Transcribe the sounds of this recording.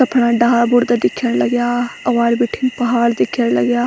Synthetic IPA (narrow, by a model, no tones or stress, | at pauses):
sɐpʰɽãːɖaːbʊɾd̪ad̪ɪkʰːjəɽlɐɡjaːɐʋaːlbiʈʰɪŋɡpɐɦaːld̪ɪkʰjəɽlɐɡjaː